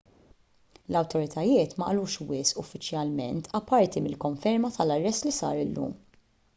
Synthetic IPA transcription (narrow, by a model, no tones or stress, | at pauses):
lɐwt̪ɔɾɪt̪ʰɐjɪːt̪mɐʔɐluːʃwɪsʔʊfːɪt͡ʃjɐlmɛnt̪ʰɐpːɐɾt̪imɪlkɔɱfɛɾmɐt̪ɐlɐrːɛst̪lisɐ̰ːɾɪlːṵːm